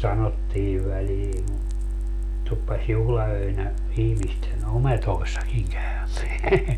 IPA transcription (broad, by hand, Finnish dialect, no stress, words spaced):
sɑnotːiː ʋæliː tupːɑs juhlɑøinæ ihmisten ometoisːɑkiŋ kæymeæ